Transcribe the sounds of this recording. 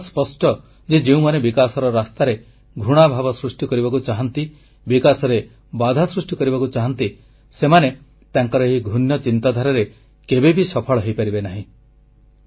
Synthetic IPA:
spɔsʈɔ | d͡ʒed͡ʒeũmanebikasɔɾɔɾast̪aɾe | ɡʱɾuɽ̃abʱabɔsɾusʈikɔɾibakut͡ʃaɦɔnt̪i | bikasɔɾe | bad̪ʱasɾusʈikɔɾibakut͡ʃaɦant̪i | semane | t̪aŋkɔɾɔeɦiɡʱunjɔt͡ʃint̪ad̪ʱaɾɔɾe | kebebisɔpʰɔɭɔɦejpaɾibenaɦĩ

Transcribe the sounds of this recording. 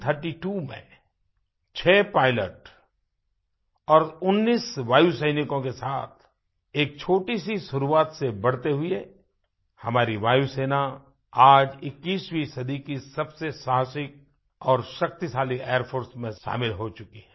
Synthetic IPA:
t̪ʰəɾʈiʈuːmḛ̃ | t͡ʃʰɛːpaːɪləʈ | ɔːɾʊnːiːsʋaːjusəɪnɪkõkesaːt̪ʰ | eːk̚t͡ʃʰoːʈisiʃʊɾuaːt̪sebɐɽ̤t̪eɦʊe | hɐmaːɾiʋaːjuseːna | aːd͡ʒɪkːiːswisɐd̪ʱikisɐbsesaːɦsɪk̚ | ɔːɾʃɐk̚t̪isaːlieːəɾpʰoːɾsmẽʃa̰ːmɪlɦot͡ʃʊkiɦɛ̃ː

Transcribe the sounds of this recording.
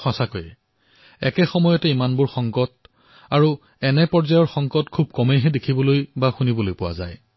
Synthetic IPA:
xʰãsakojɛ | ɛkɛxɔmɔjɔtɛimanbʊɹxɔŋkɔt | aɹu | ɛnɛpɔɹzajɔɹxɔŋkɔtkʰubkɔmejɦɛdekʰibɔlojbaxunibɔlojpʊwa̰za̰j

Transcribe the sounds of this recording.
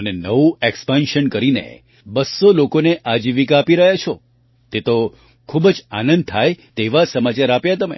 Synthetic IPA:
ənenəʋuekspanʃənkəɾinḛ | bəsːolokoneʔad͡ʒiʋikaːpiɾəɦjat͡ʃʰo | t̪et̪o | kʰubəd͡ʒanə̃nd̪̚t̪ʰajt̪eʋasəmat͡ʃaɾapjat̪əmḛ

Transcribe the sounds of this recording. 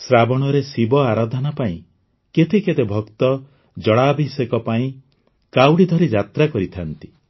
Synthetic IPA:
sɾabɔɽ̃ɔɾesibɔaɾad̪ʱɔnapaĩ | ket̪eket̪ebʱɔkt̪ɔ | d͡ʒɔɽabʱisekɔpaĩ | kawɽid̪ʱɔɾid͡ʒat̪ɾakɔɾit̪ʰant̪i̥

